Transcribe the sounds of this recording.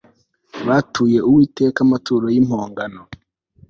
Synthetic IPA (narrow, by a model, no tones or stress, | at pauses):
βatʰuːje̞uwiːte̞ːkamatʰuːɾo̞jimhoːŋɡano